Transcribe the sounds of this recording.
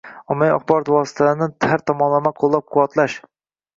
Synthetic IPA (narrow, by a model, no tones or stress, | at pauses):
ɒmːajɒχbɒɾɒt̪wɒsɪ̥t̪ʰanɪt̪ʰhaɾt̪ʰɒmɒnlˠamaqʰolˠːap̚qʰʊwɒt̪laʃ